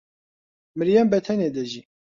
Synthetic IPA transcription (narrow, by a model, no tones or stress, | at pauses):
mɨɾjɛmbɛt̪ʰɛneːd̪ɛʒiː